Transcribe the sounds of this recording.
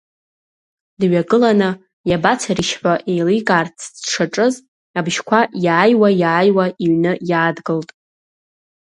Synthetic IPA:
dɥaɡɨlanɨ | jabat͡sʰaɾiʃħʷaʔejlikʼart͡sʰdʂʰaʈ͡ʂʼɨz | abʒkʷʰajaːjwajaːjwaiɥnɨjaːdɡɨltʼ

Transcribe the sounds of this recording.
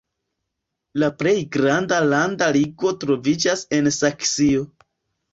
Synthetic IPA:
laple̞jɡɾandalandaliɡvo̞tɾo̞vid͡ʒase̞nsaksio

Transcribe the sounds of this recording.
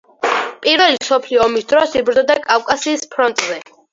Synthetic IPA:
pʼiɾvɛlimsɔpʰliɔːmisd̪ɾɔsibɾɔd̪akʼafkʼasiːspʰɾɔnt̪ʼzɛ

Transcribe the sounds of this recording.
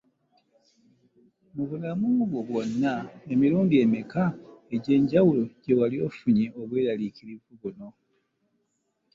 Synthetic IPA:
muβulamuβwo̞βwo̞nːae̞miɾuːndie̞mikae̞ɟe̞ːɲɟawulo̞ɟe̞walio̞fuɲeoβwe̞ːɾaliciɾivuβuno̞

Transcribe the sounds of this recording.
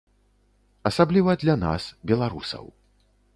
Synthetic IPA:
ɐsablʲivɐd̪lʲana̰sbʲɛlˠaɾusɐ̰w

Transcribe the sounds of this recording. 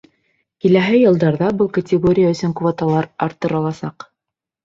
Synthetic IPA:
kilæɦɘjɤ̆lˠd̪ɑɾðɑbɤlˠkɐtʲɪɡoɾʲɪjaɵ̆sɵŋkvot̪ɑlˠɑɾɑɾt̪ːɤ̆ɾɑlˠɑsɑq

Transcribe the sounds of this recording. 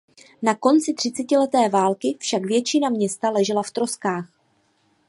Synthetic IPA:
nako̞nt͡sɪt̪r̥ɪt͡sɛcɪlɛt̪ɛːvaːlkɪfʃakvjɛt͡ʃɪnamɲɛst̪alɛʒɛlaft̪ɾo̞skaːx

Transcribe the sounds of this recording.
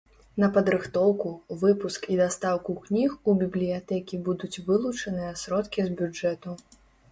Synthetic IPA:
nɐpɐd̪ɾɨxt̪ɔwkuvɨpuskid̪ast̪awkuknʲixubʲiblʲijat̪ɛkʲibud̪ut͡sʲvɨlˠut͡ʂɐnɨjɐsɾɔt̪kʲizbʲud͡ʐɛt̪u

